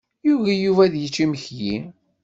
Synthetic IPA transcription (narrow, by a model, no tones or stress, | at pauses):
juʝæjuvæðjət͡ʃːiməçji